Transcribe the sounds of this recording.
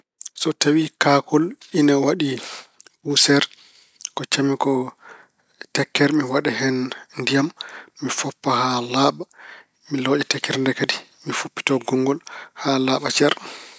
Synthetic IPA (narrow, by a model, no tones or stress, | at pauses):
sɔtawikakɔlinawaɗiɓusɛɾ | kɔt͡ʃamikɔ | tɛkːɛɾmiwaɗɛɦɛnndijamːifɔpːahalaːɓa | milɔːʔɛtɛkːɛɾndɛkadimifupːi̥tɔɡɔŋɡɔlhalaːɓat͡ʃɛɾ